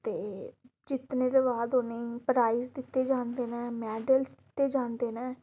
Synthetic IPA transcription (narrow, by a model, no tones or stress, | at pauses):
t̪eː | d͡ʒɪt̪nẽːd̪eːbaːd̪ɦoːneːpɾaːizd̪ɪt̪ːeːd͡ʒãːnd̪eːnɛ̃ːmɛːɖəlsd̪ɪt̪ːeːd͡ʒãːnd̪eːnɛ̃ː